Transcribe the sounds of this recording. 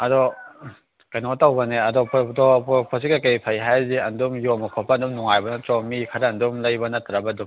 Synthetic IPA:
ɐdɔ | kajnɔtawbɐneɐdɔpʰdɔpʰɔs̬ikakejpʰajɦajziɐndumjɔmɐkʰɔpʰːaɐndumnɔŋajbɐnatɔmikʰaɾaːndumlɐjbɐnɐtɾabɐdu

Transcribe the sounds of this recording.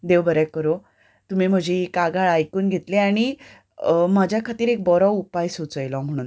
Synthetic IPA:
d̪eʋbəɾɛkəɾo | t̪um̤im̤əd͡ʑʱeːkaɡaɭajkuːnɡʱet̪leaɽ̃i | mad͡ʑʱjakʰat̪iːɾek̚bɔɾɔupajsut͡səjlɔm̤əɽ̃ũːn

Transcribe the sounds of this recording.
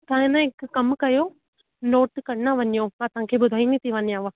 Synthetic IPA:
t̪ãɪnəɪkːɐmkɐjo | noːʈkɐɽnaʋɐɲijoɐsãkʰeːɓʊd̪ʱaːinit̪ʰiʋɐɲijãʋa

